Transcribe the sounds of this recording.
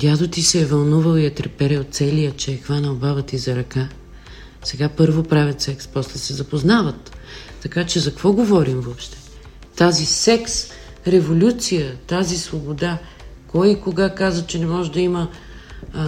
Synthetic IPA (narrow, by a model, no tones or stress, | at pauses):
d̪ʲjad̪ot̪isɛːvɐlˠnuvəlˠijɐt̪ɾɛpɛɾɛot̪t̪sɛlijət͡ʃɛɛxvanəlˠbavət̪izɐɾɐka | sɛɡapɤɾvopɾavʲɐt̪sɛkspɔslɛsɛzɐpoznavət̪ː | ɐkat͡ʃɛzɐkvɔɡovɔɾimvɔpʃt̪ɛ̥ | t̪azisɛks | ɾɛvolʲut̪sijət̪azisvobod̪a | kɔjikoɡakazət͡ʃɛnɛmɔʒɛd̪ɐimə